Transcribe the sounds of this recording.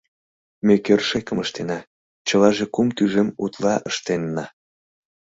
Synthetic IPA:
mekørʃekəməʃt̪enɑ | t͡ɕəlɑʒekumt̪yʒemut̪lɑʔəʃt̪enːɑ

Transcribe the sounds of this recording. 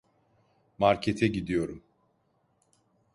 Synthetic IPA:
maɾcʰet̪ʰɛɟid̪ijo̞ɾum

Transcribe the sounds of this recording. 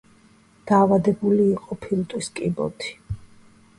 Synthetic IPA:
d̪̥aːvad̪ɛbuliːqʼɔpʰilt̪ʼwiskʼibɔ̰t̪ʰi̥

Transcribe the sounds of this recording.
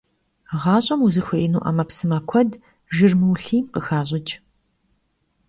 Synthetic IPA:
ʁɑːɕʼɐmuzɨxʷɐʔinuːʔɐ̰mɐpsɨmɐkʷʰɔd | ʒɨrmɨwɬiːmqəxaːɕʼɪt͡ʃʼ

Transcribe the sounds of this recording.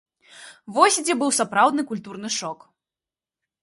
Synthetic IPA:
vɔsʲd͡zʲɛbɨwsapɾawd̪nɨkulʲt̪urnɨʂɔk

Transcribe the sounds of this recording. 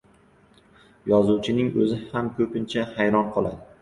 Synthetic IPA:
jɒzuwt͡ʃʰɪnɪŋɵ̰zɪhamkʰɵpɪnt͡ʃʰahajɾɒnqʰɒlˠa̰d̪ɪ

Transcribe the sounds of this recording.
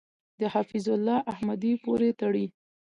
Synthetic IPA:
d̪əhafizʊlːɑʔahmad̪ipoɾet̪aɽi

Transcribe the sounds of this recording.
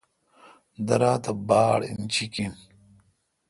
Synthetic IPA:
d̪ɐɾaːt̪ɐbaːɽḭnt͡ɕʰikin

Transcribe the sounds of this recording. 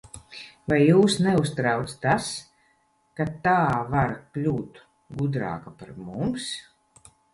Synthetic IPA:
vajːuːsnɛust̪ɾawt̪st̪as | kat̪aːvaɾklʲuːt̪ | ɡud̪ɾa̰ːkapaɾmums

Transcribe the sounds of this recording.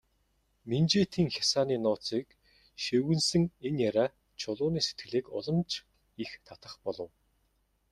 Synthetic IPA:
ment͡ɕeːt̪ʰiːŋxʲjasaːniːnʊːt͡siːk | ʃewɘ̆nsɘ̆ŋenjaɾʲaː | t͡ɕʰʊɮʊːniːse̥t̪ɡɘ̆ɮeːkʊ̰ɮɞ̆mt͡ɕ | ixt̪ʰat̪ə̆χpɔɮɞ̆w

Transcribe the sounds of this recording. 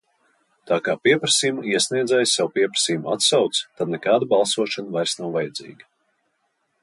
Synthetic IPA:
t̪aːkaːpiɛpɾasijmuiɛsniɛd̪zɛjsawpiɛpɾḁsiːjumat̪sawt̪st̪ad̪̚nɛkaːd̪abalˠsuɔʃanvajɾsnawvajɛd̪zḭːɡʲa

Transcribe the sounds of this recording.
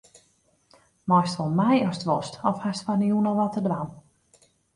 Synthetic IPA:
mɔjstʋɔlˠmajɔstʋɔstɔfhastfɔnjunɔlˠʋɔtədʋan

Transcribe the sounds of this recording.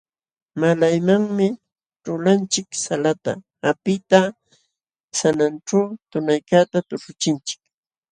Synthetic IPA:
malajmaŋmɪ | ʈ͡ʂʊlant͡ʃɪksalat̪a̰ | apɪt̪a | sananʈ͡ʂawt̪ʊnajkat̪at̪ʊʈ͡ʂʊt͡ʃɪnt͡ʃɪ̥k

